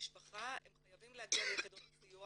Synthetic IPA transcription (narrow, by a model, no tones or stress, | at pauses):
iʃpaχaemχajavimleaɡialeked̪oʁsiju